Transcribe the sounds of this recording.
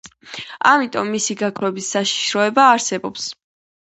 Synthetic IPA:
amit̪ʼɔmːisiɡakʰɾɛbisːaʃi̥ʃɾɔɛbaːɾsɛbɔps

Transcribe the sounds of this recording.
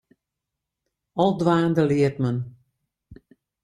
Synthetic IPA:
ɔlˠdʋaːndəlɪərt̚mən

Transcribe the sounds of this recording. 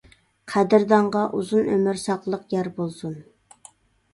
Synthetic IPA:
qʰæd̪ɪɾd̪ɑɴʁɑʔuzunømyɾsɑqlˠəqjæɾbolˠsun

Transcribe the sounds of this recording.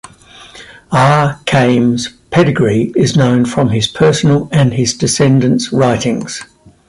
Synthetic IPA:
ɑːkʰẽɪ̃mz̥pʰɛɾɪɡɹiɪznə̃ʊ̃nfɹə̃mɪz̥pʰɜˑsənələ̃nɪzdɪsɛ̃ndə̃ntsɹaɪtʰɪ̃ŋz̥

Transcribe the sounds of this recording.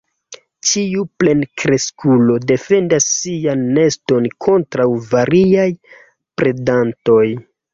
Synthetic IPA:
t͡ʃiuple̞nkɾe̞skʰulo̞de̞fe̞ndasːianːe̞sto̞nkʰo̞ntɾawvaɾiaj | pɾe̞danto̞j

